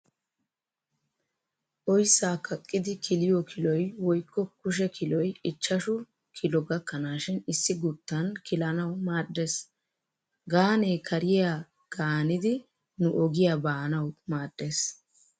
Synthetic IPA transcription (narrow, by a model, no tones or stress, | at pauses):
ʔɔjsːaːkɐkʼːɪd̪ɪkʰɪlɪjɔkʰɪlɔjwɔjkːɔkʊʃ̬ɛkʰɪlɔjɪt͡ʃːɐʃʊ | kʰɪlɔɡɐkːɐnaːʃɪnɪsːɪɡʊt̪ːɐnkɪlɐnɐwmaːdːes | ɡaːneːkʰɐɾɪja | ɡ̥aːnɪd̪ɪ | nʊʔɔɡɪjabaːnɐwmaːdːes